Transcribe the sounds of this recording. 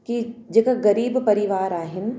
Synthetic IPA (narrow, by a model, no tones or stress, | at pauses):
kid͡ʒekaɡɐɾiːbpɐɾɪʋaːɾaːɦɪn̆